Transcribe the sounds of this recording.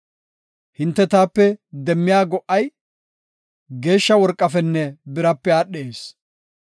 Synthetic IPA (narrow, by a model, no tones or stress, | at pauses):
hɪnt̪ːɛt̪aːpːɛd̪ɛmːɪjaːɡɔʔɐj | ɡe̞ːʃːɐwɔɾkʼːɐfɛnːɛbɪɾɐpːɛaːɗːeːs